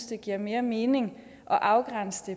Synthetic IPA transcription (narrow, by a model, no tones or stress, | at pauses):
sd̥əɡ̥iɐ̰me̝ːɐme̝ːne̝ŋ | ʔɒ̽ʔɑ̈ʊɡ̥ʁan̰səd̥e